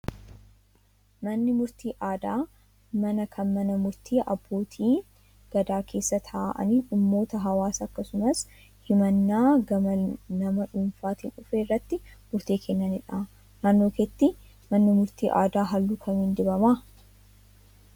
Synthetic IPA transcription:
mɐnːɪmʊɾt̪iːʔaːd̪aː | mɐnɐkʰɐnmɐnɐmʊɾt̪ʰiːʔɐ̰bːo̞ːt̪ʰiː | ɡ̥ɐd̪aːkʰe̞ːsːɐt̪ʰaːʔɐ̰niːnʊmːo̞ːt̪ɐɦɐwaːsɐkːɐsʊmɐs | hɪmɐnːaːɡɐmɐnɐmɐᶑuːnfaːt̪iːnʊfeːrːɐt̪ːɪmʊɾt̪iːkʰɛnːɐnɪᶑa | naːnːoːkɛt̪ːɪ | mɐnːɪmʊɾt̪iːʔaːd̪aːɦɐlːʊkʰɐmiːnd̪ɪbɐmaː

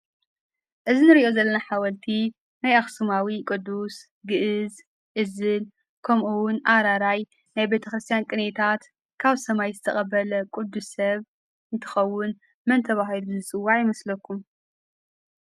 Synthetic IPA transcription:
ʔɨzinɨɾiʔo̞zɐlːɐnaħawɐlt̪ʰi | najaxsumawikʼɨd̪ːus | ɡɨʔɨz | ʔɨzɨl | kʰɐmʔuwʊnʔaɾaɾaj | najbet̪ʰɐxɾɨst̪ʰijankʼɨnet̪ʰat̪ | kʰaβsɐmajzɨt̪ʰɐxʼɐbɐlɐkʼud̪ːusɐβ | ɨnt̪ʰɐ̥xɐwːʊn | mɐnt̪ʰɐβaɦiluzɨt͡sʼɨwːaʕjɪmɐslɐkʰːum

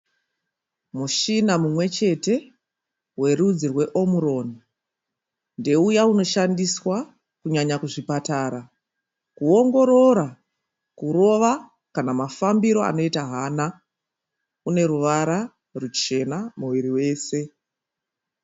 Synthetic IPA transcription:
muʃinamumwe̞t͡ʃe̞te̞ | we̞rud͡zirwe̞ʔo̞muɾo̞ni | nde̞ujauno̞ʃandiswa | kuɲaɲakuʐipataːɾa | kuo̞ŋɡo̞ɾo̞ɾa | kuɾo̞ʋa | kanamafambiɾo̞a̰no̞itaɦaːna | une̞ɾuʋaɾa | rut͡ʃe̞namuʋiɾiwe̞ːse̞

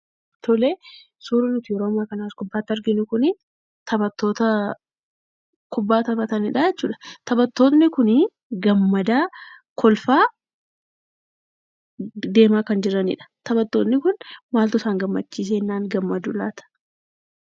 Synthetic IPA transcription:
t̪ɔleː | suːɾɐnʊt̪ɪjɛɾoːmaːkɐnaːskʊbːaːt̪ːɐɾɡɪnʊkʊnɪ | t̪ʰɐbɐt̪ːo̞ːt̪ɐ | kʊbːaːt̪ɐbɐt̪ɐnɪᶑad͡ʒɛt͡ʃːuːᶑɐ̥t̪ɐbɐt̪ːo̞ːt̪nɪkʊnɪ | ɡɐmːɐd̪aː | kʰɔlfaː | d̪e̞ːmaːkɐnd͡ʒɪɾɐnɪ̰ᶑɐ̥t̪ɐbɐt̪ːoːt̪nɪkʊnmaːlt̪ʊsaːŋɡɐmːɐt͡ʃːiːs̬eːnːaːŋɡɐmːɐd̪ʊlaːt̪ɐ̥

